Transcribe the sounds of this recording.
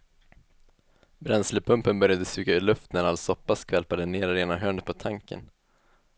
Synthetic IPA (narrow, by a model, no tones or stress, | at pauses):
bɾɛnsləpʰɵmpənbœɾjad̪əsʉːkaʏɭɵft̪næɾalsɔpːaskʰvɛlpad̪əneːɾɾeːnaɦøːnəpʰɔt̪ʰaŋkə̰n